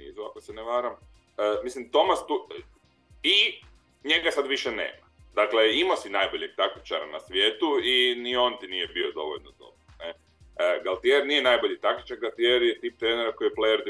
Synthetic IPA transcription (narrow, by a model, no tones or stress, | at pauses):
ḭːzua̰koseneʋaːɾam | əmislimt̪o̞mast̪u | i | ɲe̞ɡasad̪ʋiʃenḛːma | d̪akleimosinajbo̞ʎeɡ̚t̪akt̪i̥t͡ʃa̰ɾa̰na̰sʋje̞ːt̪uinio̞nt̪inijebiod̪o̞̰ʋoʎnod̪o̞̰bɾone | ɡalt̪ieɾnije̞najboʎit̪akt̪i̥t͡ʃaɾɡalˠt̪ieɾjet̪iːp̚t̪ɾeːneɾako̞ijeplejoɾd̪i